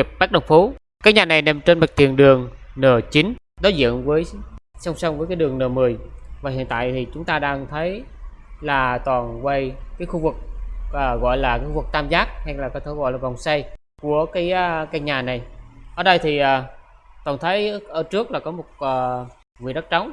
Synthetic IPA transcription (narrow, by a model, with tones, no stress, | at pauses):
i˨˩p̚ɓaː˦˥k̚ɗə˨˩wŋ͡mfo˨˦ | kaː˨˦jɲaː˨˩na˨˩jne˨˩mt͡ɕe˧nma˨˩t̚t̪i˨˩ənɗɨ˨˩əŋnəː˨˩t͡ɕi˨˦n | ɗɔ˨˦zḭ˧˨ənvəː˨˦jsa˧wŋ͡msa˧wŋ͡mvəː˨˦jkaː˨˦jɗɨ˨˩əŋnəː˨˩mɨ˨˩əjvaː˨˩ɦḭ˧˨ənt̪a̰ː˧˨jt̪ʰi˨˩t͡ɕʊ˨˦ŋ͡mt̪aː˧ɗaː˧ŋt̪ʰə˨˦jlaː˨˩t̪wɔː˨˩nkwə˧jkaː˨˦jxu˧vɨ˨˩k̚ʔəː˨˩ɣɔ̰˧˨jlaː˨˩kaː˨˦xu˧vɨ˨˩k̚t̪aː˧mzaː˦˥k̚ha˧jlaː˨˩kɔ˨˦t̪ʰe˧˩˦ɣɔ̰˧˨jlaː˨˩va˨˩wŋ͡msa˧j | ku˧˩əkaː˨˦jːkaː˨˦jɲaː˨˩na˨˩jʔəː˧˨˩ɗə˧jt̪ʰi˨˩ʔəː˨˩t̪waː˨˩nt̪ʰə˨˦jʔəː˧˩t͡ɕɨ˦˥ək̚laː˨˩kɔ˨˦mo˨˩t̚ʔəː˨˩ | vi˨ɗə˦˥t̚t͡ɕɔ˨˦wŋ͡m